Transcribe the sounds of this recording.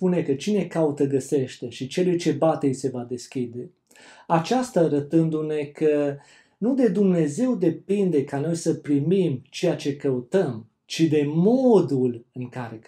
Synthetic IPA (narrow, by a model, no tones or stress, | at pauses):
pune̞kət͡ʃine̞kaut̪əɡəse̞ʃt̪e̞ʃit͡ʃe̞lujt͡ʃe̞bat̪ejse̞vad̪e̞skʲid̪e̞ | at͡ʃast̪aːɾət̪ɨnd̪une̞kə | nud̪e̞d̪umne̞ze̞wd̪e̞pind̪e̞kano̞jsəpɾimimt͡ʃe̞jat͡ʃe̞kəut̪əm | t͡ʃid̪e̞mo̞d̪ulɨŋkaɾe